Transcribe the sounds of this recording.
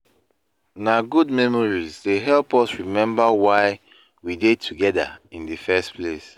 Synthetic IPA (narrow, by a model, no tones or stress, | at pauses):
naɡud̚mɛmɔɹizdeɦɛlpɔsɹimɛ̃mbəwaɪ | widetʰuɡɛda̰ĩndəfɛspʰles